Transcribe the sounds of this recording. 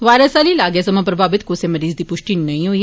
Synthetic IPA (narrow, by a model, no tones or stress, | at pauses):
ʋaːɾəsaːliːlaːɡesɐmãpɾəbʱaːʋɪt̪koseməɾiːzd̪iːpʊʃʈinɐĩɦoiː